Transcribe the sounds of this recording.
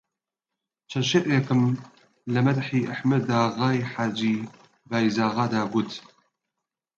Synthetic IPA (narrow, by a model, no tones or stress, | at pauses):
t͡ʃʰɐnʃeːʔekɨm | lɐmɐd̪ħiːʔaħməd̪aːɣaːjħaːd͡ʒiː | baːjzaːɣaːd̪aːɡʊt̪